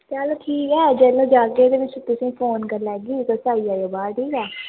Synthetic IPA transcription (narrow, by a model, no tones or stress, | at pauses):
kjaːloːʈʰiːkɛːd͡ʒɛːlõːd͡ʒaːkeːd̪eːʋɪt͡ʃt̪ʊsĩːpʰoːnkəɾlɛːɡiːkəsaːijaːjoːbaːɾʈʰiːkɛː